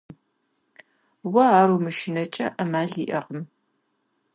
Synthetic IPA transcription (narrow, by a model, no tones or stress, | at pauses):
wɐaːɾumɨʃɪnɐt͡ʃʼɐʔɐmaːɮḭːʔɐqəm